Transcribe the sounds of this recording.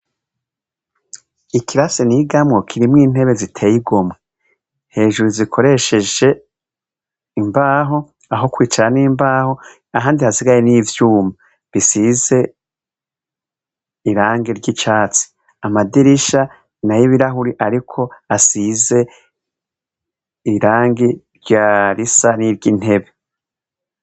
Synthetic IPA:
ikiɾaseniɡamŋokʰiɾimŋiːn̥e̞βe̞zitʰe̞ːjiɡo̞mŋe | he̞ːʒuɾuzikʰo̞ɾe̞ʃe̞d͡ʒe̞ | imbaːɦo̞ | aɦo̞kwiːt͡ʃaɾaniːmbaːho̞ | aɦaːndihasiɡaje̞niːvjuːma | βisize̞ | iɾaːŋɡiɾɟit͡ʃaːt͡si̥ | amadiɾiʃa | najiβiɾaɦuɾiʔaɾikʰo̞asize̞ | iɾaːŋɡiɾɟaːɾisaniɾɟin̥he̞βe

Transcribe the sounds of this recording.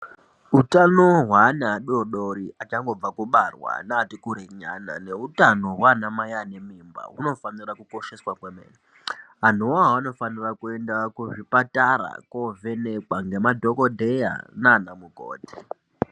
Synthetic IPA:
utanoɦwanaɗoɗoɾiat͡ʃaŋɡo̞b͡vakuɓarwa̰naːtikuɾeɲana̰ne̞utano̞ɦwanamajane̞mimba̰ṵno̞fanirakuko̞ʃe̞swakwemḛːni | ɦan̤uwaɦaano̞fanirakue̞ndakuʐipataɾa̰kove̞nekwaŋɡe̞madʱo̞kodʱe̞ja̰naːnamuɡʱo̰ːti̥

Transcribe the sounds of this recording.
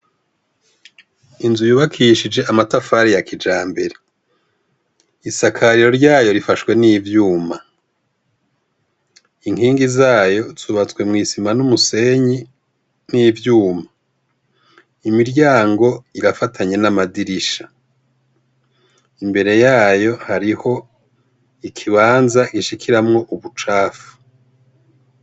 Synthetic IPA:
inzujuːβakʰiʃid͡ʒe̞ʔamatafaɾijakid͡ʒaːmbe̞ɾe̞ | isakʰaɾiɾo̞ɾɟaːjo̞ɾifaʃwe̞niːvjuːma | iŋhiːŋɡizaːjo̞z̥uβat͡swe̞mŋiːsimanumuse̞ɲi | niːvjuːma | imiɾɟaːŋɡo̞iɾafatʰaɲe̞namadiɾiʃḁ | imbe̞ɾe̞jaːjo̞haɾiho̞ | ikʰiβaːnzaɡiʃikʰiɾamŋo̞ʔuβut͡ʃaːfu̥

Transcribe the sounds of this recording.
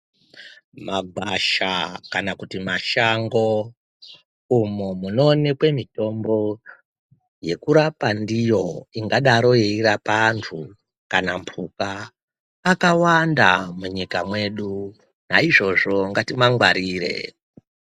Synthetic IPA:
maɡʱwaʃakanakutimaʃaŋɡo | umumuno̞ːne̞kwe̞mito̞mbo̞ | je̞kuɾapandijo̞iŋɡaɗaɾo̞jeiɾapantʰu | kanampʰukaː | kawandamuɲikamwe̞ɗu | na̰iʐo̞ʐo̞ŋɡatimaŋɡwaɾiːɾe̞̰

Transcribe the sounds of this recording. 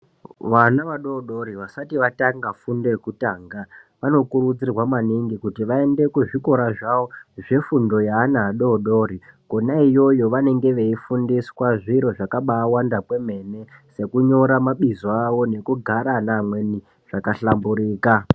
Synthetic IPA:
ʋanaʋaɗo̞ːɗo̞ɾiʋasatiʋataŋɡafundekutaːŋɡaʋano̞kuɾud͡zirwamaniŋɡikutiʋae̞nde̞kuʐiko̞ɾaʐaʋo̞ʐe̞fundo̞jaːnaːɗo̞ːɗo̞ɾikonaijo̞jo̞ʋane̞ŋɡe̞ʋe̞ifundiswaʐiɾo̞ʐakaɓaːwandakwe̞me̞ne̞se̞kuɲo̞ɾamaɓizoawo̞ne̞kuɡʱaɾanamwe̞ni | ʐ̥akaɬambuɾiːka

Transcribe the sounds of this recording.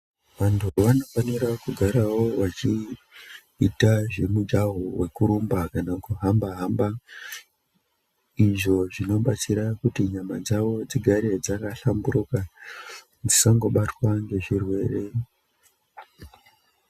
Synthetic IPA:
ʋantʰuʋano̞faniɾakuɡʱaɾawo̞wat͡ʃi | itaʐe̞mud͡ʒaɦowe̞kuɾumbakanakuɦambaɦamba | iʐo̞ʐino̞ɓat͡siɾakutiɲamad͡zaʋo̞d͡ziɡʱaɾe̞d͡zakaɬambuɾuka | d͡zisaŋɡo̞ɓatwaŋɡe̞ʐirwe̞ːre̞

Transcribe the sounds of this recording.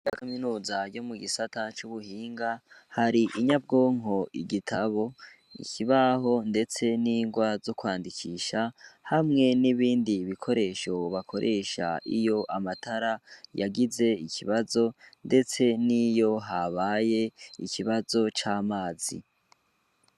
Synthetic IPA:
jakaminuːzaɾɟo̞muɡisatat͡ʃuβuhiːŋɡahaɾiʔiɲab̚ɡo̞ːŋɦo̞ʔiɡitʰaβo̞ | ḭcʰiβaɦo̞nde̞t͡se̞niːŋɡwazo̞kwaːndikʰiːʃahamŋe̞niβiːndiβikʰo̞ɾe̞ʃo̞βakʰo̞ɾʔe̞ʃa̰ʔḭjo̞ʔamatʰaɾajaɡize̞icʰiβazo̞nde̞t͡se̞nijo̞ɦaβaːje̞ḭcʰiβazo̞t͡ʃaːmaːzḭ

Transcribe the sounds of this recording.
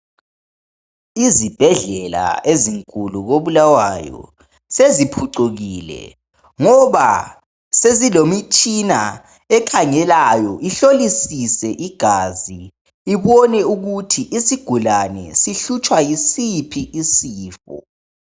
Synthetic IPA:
izib̥ʱɛɮɛla̰eziŋkʼuluɣoβulawajɔ̰ | sezipʰuǀuɣilɛ̰ | ŋɔβa | sezilomit͡ʃʼina̰ | ɛkʰaŋɛlajɔʔiɬolisisɛʔiɡ̥ʱaziː | βɔnɛuɣutʰiʔisiɡ̥ʱulanɛ̰siɬut͡ʃʼwajisipʰiʔisiːfɔ̰

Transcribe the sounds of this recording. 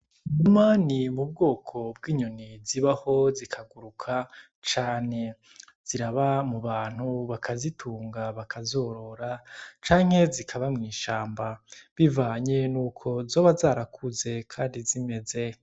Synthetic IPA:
numanimub̚ɡo̞ːkʰo̞bɡiːɲuniziβaho̞zikʰaɡuɾukʰa | t͡ʃaːne̞ | z̥iɾaβamuβaːn̥huβakʰazitʰuːŋɡaβakʰazo̞ːɾo̞ɾat͡ʃaːŋ̥he̞zikʰaβamŋiːʃaːmbaβivaːɲe̞nuːkʰo̞zoːβazaːɾakʰuze̞kʰaːndizime̞ze̞

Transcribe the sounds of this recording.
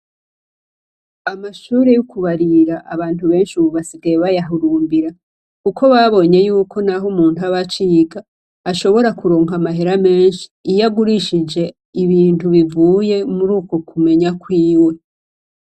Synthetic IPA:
amaʃuːɾe̞jokuβaɾiɾaʔaβaːn̥tuβe̞ːnʃuβuβasiɡajeβajaɦuɾuːmbiɾa | kukʰo̞βaβo̞ɲe̞juːkʰo̞naɦomuːntuaβat͡ʃiːɡaː | ʃo̞βo̞ɾakuɾoːŋamaɦeɾame̞ːnʃi̥ːjaɡuɾiʃid͡ʒe̞ | iβiːntuβivuːje̞muɾuːko̞kume̞ɲakwiːwe̞

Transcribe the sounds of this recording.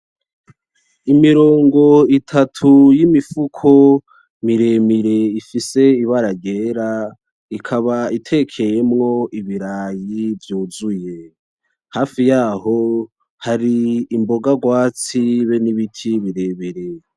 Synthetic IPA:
imiɾo̞ːŋɡo̞itʰatʰujimifukʰo̞ | miɾe̞miɾe̞ifise̞iβaɾaɟe̞ːɾa | ikʰaβaitʰe̞kʰe̞jemŋo̞ʔiβiɾaːjivjuːzuje̞ | haːfijaːɦo̞ | haɾiːmbo̞ɡaɡwaːt͡siβeniβitʰiβiɾe̞βeɾe̞

